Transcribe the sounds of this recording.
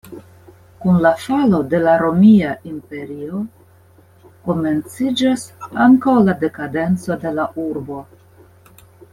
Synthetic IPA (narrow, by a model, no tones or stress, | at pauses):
kunlafalo̞de̞laɾo̞miaʔimpe̞ɾio | ko̞me̞nt͡sid͡ʒasaŋkawlade̞kade̞nt͡so̞de̞laʔuɾbo̞